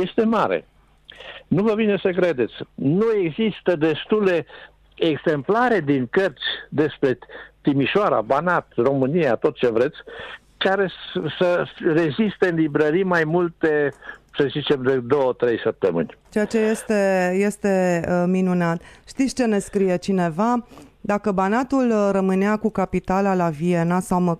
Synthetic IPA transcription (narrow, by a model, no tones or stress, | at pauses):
jest̪e̞maɾḛ | nuvəbinesək̬ɾe̞d̪e̞t̪sʲnue̞ɡzist̪əd̪e̞st̪ule | eɡzemplaɾe̞d̪iŋkərt̪sʲd̪e̞spɾe̞t̪imiʃoaɾa̰banat̪ro̞mɨniat̪o̞t̪̚t͡ʃe̞vɾe̞t̪sʲ | kaɾe̞səre̞zist̪eɨnlibɾəɾimajmult̪e̞səzit͡ʃe̞md̪ed̪o̞wət̪ɾe̞jsəp̚t̪əmɨ̰nʲt͡ʃejat͡ʃe̞je̞st̪e̞je̞st̪e̞minunat̪ʃt̪it̪sʲt͡ʃene̞skɾije̞t͡ʃine̞vad̪akəbanat̪ulrəmɨneakukapit̪alalavie̞nasawmə